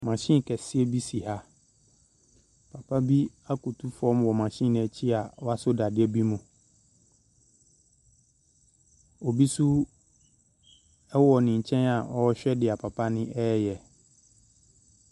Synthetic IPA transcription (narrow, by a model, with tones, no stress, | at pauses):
mã˨ɕĩ˦˨kʰɛ˨sɪ˦ɛ˦bi˦si˨ha˦ | pʰa˨pʰa˦bi˦a˦ku˨tʰu˦fɔ̃˦mwɔ˨mã˨ɕĩ˦˨nɪ̃˨ɛ˨t͡ɕʰi˦a˨wɔ˦a˦sʊ˦da˨dɪ˦ɛ˦bi˦mũ˨ | o˨bi˦su˦ | ɛ˦wɔ˨nɪ̃˨ɲ̩˨t͡ɕʰɛ̃˦na˨ɔ˦ɕᶣɛ˦dɪ˨a˨pʰa˨pʰa˦nɪ̃˦ʔɛ˦jɛ˨